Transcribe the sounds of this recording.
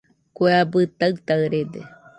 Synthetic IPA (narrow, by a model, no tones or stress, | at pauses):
kʷeabɨt̪aɨt̪aɨɾed̪ḛ